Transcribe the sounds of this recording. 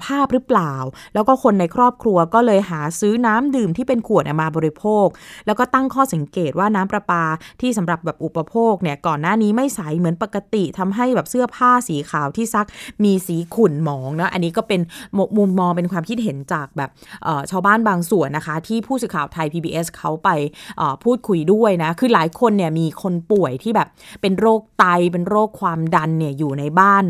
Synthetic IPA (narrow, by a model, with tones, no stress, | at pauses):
pʰaː˥˩p̚ɾɯ˦˥plaː˨˩wlɛː˦˥wkɔː˥˩kʰo˧nːa˧jkʰɾɔː˥˩p̚kʰɾu˧ɐkɔː˥˩lɤː˧jɦaː˩˦sɯː˦˥naː˦˥mdɯː˨˩mt̪ʰiː˥˩pe˧nkʰu˨˩ət̪̚ʔa˨˩maː˧bɔː˧ɾi˧pʰoː˥˩k̚lɛː˦˥wkɔː˥˩t̪a˥˩ŋkʰɔː˥˩sa˨˦ŋkeː˨˩t̪̚waː˥˩naː˦˥mpɾa˧paː˧t̪ʰiː˥˩sa˩˦mɾa˨˩p̚bɛː˨˩p̚ʔu˨˩pːa˧pʰoː˥˩k̚ni˥˩ɐkɔː˨˩nːaː˥˩niː˦˥ma˥˩jsa˩˦jmɯ˩˦ənpa˨˩kːa˧t̪i˨˩t̪ʰa˧mɦa˥˩jbɛː˨˩p̚sɯ˥˩ɐpʰaː˥˩siː˩˦kʰaː˨˩wt̪ʰiː˥˩sa˦˥k̚miː˧siː˩˦kʰu˨˩nmɔː˩˦ŋnɔ˦˥ʔa˧nːiː˦˥kɔː˥˩pe˧nm˧mu˧mːɔː˧ŋpe˧nkʰwaː˧mkʰi˦t̪̚ɦe˩˦nt͡ɕaː˨˩k̚bɛː˨˩pʔəː˨˩t͡ɕʰaː˧wbaː˥˩nbaː˧ŋsu˨˩ənːa˦˥kʰa˦˥t̪ʰiː˥˩pʰuː˥˩sɯː˨˩kʰaː˨˩wt̪ʰa˧jpʰiː˧biː˧ʔe˦˥skʰa˦˥wpa˧jʔəː˨˩pʰuː˥˩t̪̚kʰu˧jdu˥˩əjna˦˥kʰɯː˧laː˩˦jkʰo˧nːi˥˩əmiː˧kʰo˧npu˨˩əjt̪ʰiː˥˩bɛː˨˩p̚pe˧nɾoː˥˩k̚t̪a˧jpe˧nɾoː˥˩kʰːwaː˧mda˧nːi˥˩əjuː˨˩na˧jbaː˥˩n